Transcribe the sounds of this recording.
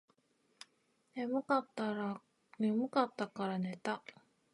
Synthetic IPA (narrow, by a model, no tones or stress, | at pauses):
nemɯ̟kat̪ːaɾa | nemɯ̟kat̪ːakaɾanet̪a